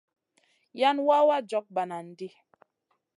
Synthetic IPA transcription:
ja˦nwa˦wa˦d͡ʒɔ˦k̚ba˨na˨n̩˨di˦

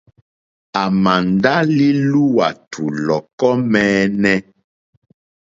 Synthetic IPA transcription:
a˨ma˨nda˦li˦lu˦wa˨tʰu˨lɔ˨kɔ˦mɛː˦nɛ˦

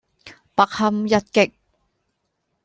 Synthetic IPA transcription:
pɐ˨k̚hɐ˧mjɐ˧t̚kɪ˨k̚

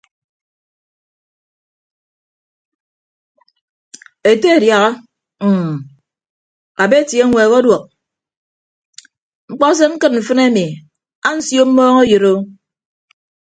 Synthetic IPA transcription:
e˨te˦e˨dja˨ɣa˦˨ | a˨be˦˨tje˦ŋʷe˨ɣo˦dwɔ˨k̚ | ŋ͡m̩˦k͡pɔ˦s̬e˦ŋ̩˦kɨ˦t̚m̩˨fɨ˦ne˦mi˨ | a˦n̩˦sjo˦m̩˦mɔː˦ŋe˦jɨ˨ɾo˦

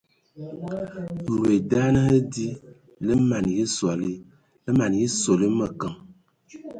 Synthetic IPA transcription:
n̩˨e˨da˦nə˦hə˦di˦ | lə˦ma˨nji˦swa˨li˦ | lə˦ma˨nji˦so˨li˦mə˨kə˨ŋ

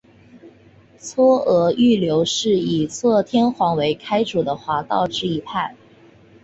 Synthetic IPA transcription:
t͡sʰwɔ˥ɤ˧˥y˥˩ljo˧˥ʊʂɻ̩˥˩i˨˩t͡sʰɤ˥˧t̪ʰjɛ˥nxwɑ˧˥ŋwe˧˥ɪkʰa˥ɪʈ͡ʂu˨˩d̪ə˦xwa˧˥t̪ɑ˥˧ʊʈ͡ʂɻ̩˥˩i˧˥p̪ʰa˥˩n

